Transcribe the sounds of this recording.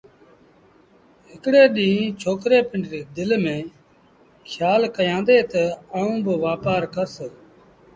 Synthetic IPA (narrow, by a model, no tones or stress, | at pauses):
ɦɪkɽeːɗĩːt͡ʃʰoːkɾeːpɪɳɖɾeːd̪ɪlmẽː | kʰjaːlkəjãːnd̪eːt̪əaːũːbəʋaːpaːɾkəɾsə